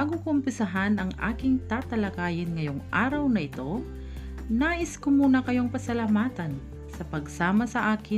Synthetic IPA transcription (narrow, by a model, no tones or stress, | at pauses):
aɡʊkʊmpɪsɐɦanɐŋʔa̰ːkɪŋt̪aːt̪ɐlɐkaːjɪnŋɐjo̞ŋʔaːɾɐwnɐʔɪt̪o̞ | naːʔɪskʊmuːnɐkɐjoŋpɐsɐlamaːt̪ɐn | sɐpɐɡsaːmɐsɐʔaːkɪ